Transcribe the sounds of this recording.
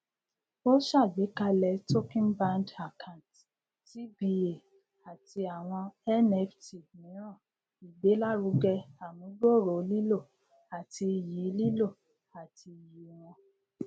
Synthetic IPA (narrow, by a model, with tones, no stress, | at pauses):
o˦ʃa˦˨ɡ͡be˨˦ka˧lɛ˧to˦kĩ˦nbã˦nda˨kʰã˨t | ti˨˦bi˧e˨ | a˨ti˧a˨w̃ɔ̃˧ɛ˦nɛ˦fti˨nĩ˨˦ã˦˨ | i˨ɡ͡be˨˦la˦ɾu˨˦ɡɛ˧a˨mũ˨˦ɡ͡bo˦˨ɾo˨˦li˦lo˦˨ | a˨ti˧˨ji˨˦li˦lo˦˨ | a˨tʰi˧˨ji˨w̃ɔ̃˧